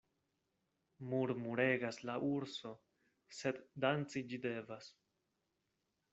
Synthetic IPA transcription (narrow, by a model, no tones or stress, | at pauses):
muɾmuɾe̞ɡaslaʔuɾso̞ | se̞ddant͡sid͡ʒide̞vas